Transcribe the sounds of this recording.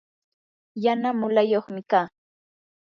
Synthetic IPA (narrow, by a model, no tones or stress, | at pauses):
janamʊlajoχmɪkaː